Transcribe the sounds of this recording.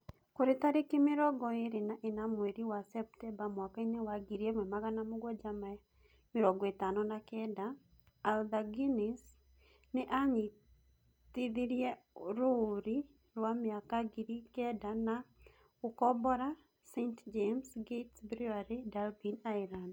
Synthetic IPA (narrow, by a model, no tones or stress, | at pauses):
koɾɪt̪aɾɪkɪmɪɾɔɡɔeɾenaʔenamweɾiwasɛp̚tɛmbamwakainewaɡiɾjemwɛmaɡanamoɡɔd͡ʒama | mɪɾɔɡɔet̪anɔnakɛdaː | ldaɡinis | nɪʔaɲi | t̪iðiɾjeɾoɾi | ɾwamɪakaɡiɾikɛdana | ukɔbɔɾa | sentd͡ʒemsɡetsbɾiaɾedalbinailand